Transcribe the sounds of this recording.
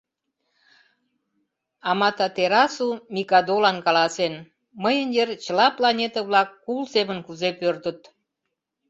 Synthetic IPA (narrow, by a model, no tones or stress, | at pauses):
ɑmɑt̪ɑt̪eɾɑsumʲikɑd̪olɑnkɑlɑsen | məjənjert͡ɕəlɑplɑnʲet̪əβlɑkːulseβənkuzepørt̪ət̪